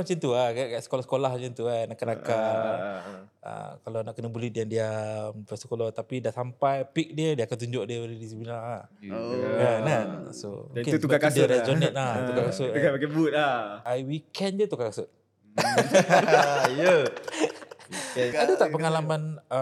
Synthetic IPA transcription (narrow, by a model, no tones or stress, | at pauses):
mat͡ʃint̪uakakaʔsə̥kolahsə̥kolahd͡ʒənt̪uanaʔkanakkan | ə̰kalanaʔkənəbulidjandiampəsə̥kolɔt̪apidaʔsampajpik̚diədiəakant̪̬uɲd͡ʒʊʔdiəoledisiplinaa | kananso̰kɪubakadad͡ʒɔnɛt̪̚at̪ukakasʊt̪kabakabut̪̚aajwikɛnd͡ʒət̪ukakasʊt̪̚ | jə | adət̪aʔpəŋalamanə